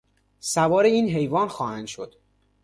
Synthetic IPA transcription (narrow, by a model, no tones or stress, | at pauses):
sævɒːɾeiːnɦe̞jvɒːnxɒːhænd̪̥ʃo̞d̪̥